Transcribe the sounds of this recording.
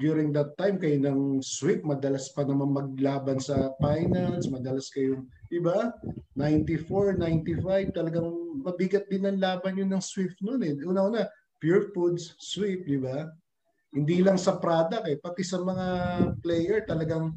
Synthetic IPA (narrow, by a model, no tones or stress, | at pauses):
d̪juːɾɪŋd̪ɐt̪ːajmkɐjonɐŋswip̚mɐd̪ɐlaspɐnɐmanmɐɡ̚laːbɐnsɐpajnɐnsmɐd̪ɐlaskɐjoŋd̪̥ɪbanajnt̪ifoɹnajnt̪ifajv̚t̪ɐlɐɡaŋmɐbɪɡɐt̪̚d̪ɪnːɐŋlaːbɐnjonɐŋswɪp̚t̪̚nonɛʔuːnɐʔuːnɐ | pjuɹfud̪sswip̚d̪ɪba | hɪnd̪ilɐŋsɐpɾaːd̪ɐkɛpɐt̪ɛsɐmɐŋaplɛjɛɹt̪ɐlɐɡaŋ